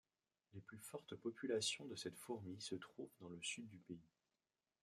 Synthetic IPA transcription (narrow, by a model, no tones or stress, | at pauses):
leplyfɔʁt̪pɔpylasjɔ̃d̪əsɛt̪fuʁmisət̪χuvd̪ɑ̃ləsyd̪ːypei